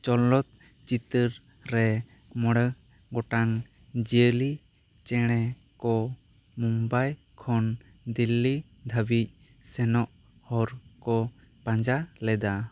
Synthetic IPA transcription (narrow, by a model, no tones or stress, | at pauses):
t͡ʃɔlɔt̪̚ | t͡ʃit̪əɾ | ɾɛ | mɔɽə | ɡɔʈaŋ | d͡ʒiəli | t͡ʃɛɽ̃ɛ | kɔ | mumbaj | kʰɔn | d̪ilːi | d̪ʱabic̚ | sɛnɔʔ | hɔɾkɔ | pãɲd͡ʒalɛd̪a